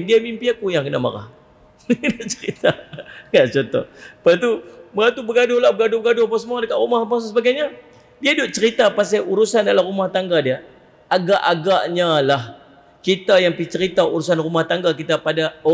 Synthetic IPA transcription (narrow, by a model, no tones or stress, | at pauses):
diamimpiakujaŋkənama̰ɾa̰h | dʔt͡ʃəɾit̪aŋɡaʔt͡ʃɔnt̪ɔ̰həpat̪uməɡat̪ubəɡadʊhlabəɡadʊbəɡadʊhapas̬əmuadəkat̪̚rumahmassəbaɡajɲa | diaidʊʔ̚t͡ʃəɾit̪apas̬auɾusandalarumaht̪aŋɡadia | aɡaʔaɡaʔɲalah | kit̪ajaŋpit͡ʃəɾit̪auɾus̬anrumaht̪aŋɡakit̪apada